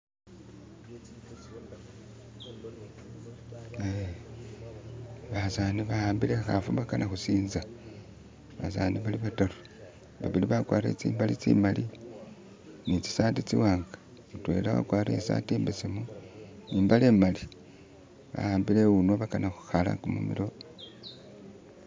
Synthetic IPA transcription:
βasaniβahaːmbile̞xafuβakanʔaxusiːnza | βa̰sa̰ːniβaliβataɾo | βa̰βiliβakwaːɾḛt͡sḭːmbalit͡sḭmali | nit͡si̥saːtit͡siwaːŋɡḁ | utwe̞̰lawa̰kwaːɾḛsa̰tiːmbesemuniːmbale̞ːmali | βa̰haːmbile̞unoβakanaxu̥xala̰kumṵmḭɾo

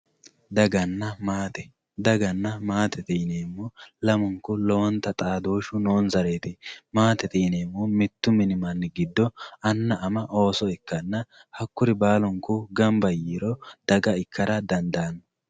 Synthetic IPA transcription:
d̪ɐɡɐnːɐmaːt̪ɛ | d̪ɐɡɐnːɐmaːt̪ʰɛt̪ʼiːneːmːɔlɐmʊŋkʊlɔwɔnt̪ːɐt̪ʼaːd̪oːʃʊnoːnzɐɾeːt̪ɪmaːt̪ɛt̪ʼiːneːmːɔmɪt̪ːʊmɪnɪmɐnːɪɡɪd̪ːɔɐnːɐʔɐmɐʔo̞ːsɔɪkːɐnːɐ | hɐkːʊɾɪbaːlɔŋkːʊɡɐmbɐjiːɾɔd̪̥ɐɡɐɪkʰːɐɾɐd̪ɐnd̪aːnːɔ

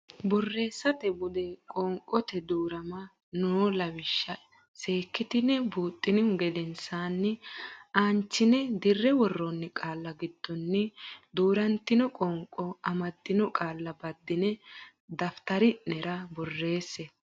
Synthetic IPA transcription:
bɔrːe̞ːsːɐt̪ɛbʊd̪ɛkʼɔŋkʼːɔt̪ɛd̪uːɾɐmɐ | noːlɐwɪʃːɐ | se̞ːkːɪt̪ɪnɛbuːt̪ʼːɪnɪhʊɡɛd̪ɛnsaːnːɪaːnt͡ʃːɪnɛd̪ɪrːɛwɔrːɔnːɪkʼaːlːɐɡɪd̪̥ːɔnːɪd̪uːɾɐnt̪ːɪnɔkʼɔŋkʼɔɐmɐd̪ːɪnɔkʼaːlːɐbɐd̪ːɪnɛ | d̪ɐft̪ɐɾɪnɛɾɐbɔrːe̞ːsːɛ

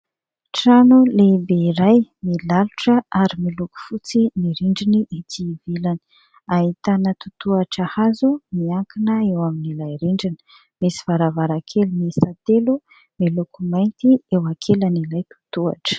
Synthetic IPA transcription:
ʈ͡ʂanulebeiɾajmilaluʈ͡ʂəaɾimiluku̥fut͡simiɾiɳɖ͡ʐiniʔit̪ʰivilani̥ | ahit̪anət̪ut̪uaʈ͡ʂahazumiaŋkinəewaminilajɾiɳɖ͡ʐini̥ | misi̥v̥aɾavaɾakʰelimisat̪elu | milukumajnt̪iewakʰelanilajt̪u̥t̪ua̰ʈ͡ʂə̥

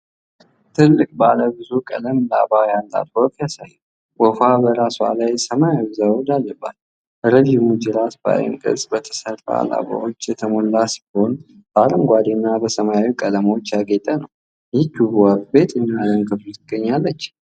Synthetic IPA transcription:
t̪ʰɨlːɨkʼbaləbɨzukʼə̰ləmla̰bajant̪ʼa̰t̪okjasajːu | wɔfabəɾaswa̰lajsəmajbzawd͡ʒalːəbːat̪ | ɾəd͡ʒimud͡ʒɪlasba̰jɪ̰ŋkʼɨ̰sʼbət̪ʰə̥səra̰a̰la̰ba̰wot͡ʃːjɛt̪ʰəmolːasbho̞n | b̥əaləmɡʷad̪inːabəsəmajaikʼələmo̞t͡ʃːjaɡet̪ʼənəw | jit̪ːubwabe̞t̪ʼɨnːalənkʰɨflutt̪ɨɡəɲːalːət͡ʃː

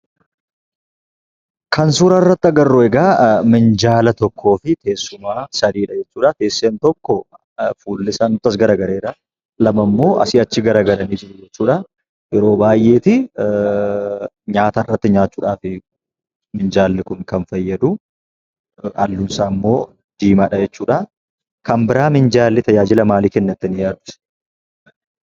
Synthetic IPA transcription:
kʰɐnsuːɾɐrːɐt̪ːɐɡɐrːʊɛɡaːmɪnd͡ʒaːlɐt̪ɔkʰːo̞ːfɪt̪e̞ːsːʊmaːsɐd̪iːᶑɐd͡ʒɛt͡ʃːuːᶑɐt̪e̞ːsːeːnt̪ɔkːɔ | fuːlːɪsɐnːʊt̪ːɐs̬ɡɐɾaːɡɐɾe̞ːɾɐ | lɐmɐmːo̞ːʔɐ̰sɪɐt͡ʃːɪɡɐɾaːɡɐɾɐniːd͡ʒɪʔʊd͡ʒɛt͡ʃːuːᶑɐ | jɛɾo̞ːbaːjʔe̞ːt̪ɪ | ɲaːt̪ɐrːɐt̪ːɪɲaːt͡ʃːuːᶑaːfɪ | mɪnd͡ʒaːlːɪkʊŋkɐnfɐjːɐd̪ʊ | ʔɐlːʊnsaːmːo̞ː | d̪̥iːmaᶑɐd͡ʒɛt͡ʃːuːᶑɐ | kɐmbɪɾaːmɪnd͡ʒaːlːɪt̪ɐjaːd͡ʒɪlɐmaːliːkɛnːɐt̪ːɪnɪjaːt̪ːɪ̥

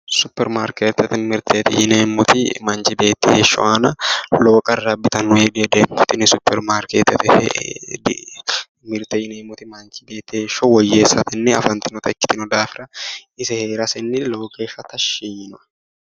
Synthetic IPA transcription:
sʊpːɛɾmaːɾket̪ːɛt̪ɪnmɪɾt̪ʰeːt̪ɪjɪneːmːʊt̪ɪmɐnt͡ʃɪbeːt̪ːɪheːʃːɔ̰ʔanɐloːkʼɐrːɐbɪt̪ɐnːʊeːd̪ed̪ɛmʊt̪ɪnɪsʊpːɛɾmaːɾket̪ɛt̪hd | mɪɾt̪ejɪneːmːʊt̪ɪmɐnt͡ʃɪbeːt̪ːɪeʃɔwɔjːeːsːɐt̪ɪnːɛɐ̰fɐnt̪ɪnɔt̪ɐkːɪ̥t̪ɪnɔd̪aːfɪɾɐɪsɛhe̞ːɾɐsɛnːɪlo̞ːkʼɐfɐt̪ɐʃiɪnʊɐ

